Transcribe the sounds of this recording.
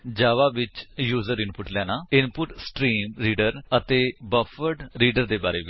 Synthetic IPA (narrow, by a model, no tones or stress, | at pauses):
d͡ʒaːʋaːʋɪt͡ʃjuːzəɾɪnpʊʈlɛːnaːɪnpʊʈsʈɾiːmɾiːɖəɾət̪eːbəpʰəɾɖɾiːɖəɾd̪eːbaːɾḛːʋɪ